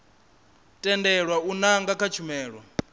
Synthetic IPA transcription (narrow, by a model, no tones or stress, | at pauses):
tʼɛndɛɺwaunaŋɡakʰat͡ʃʰumɛːɺwa